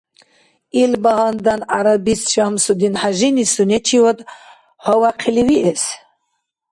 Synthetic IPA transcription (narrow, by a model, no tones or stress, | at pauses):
ilbaɦand̪anaɾabisʃamsud̪inħaʒinisunɛt͡ʃʰiwɔd̪ | hɔwaqʰiliwiʔɛs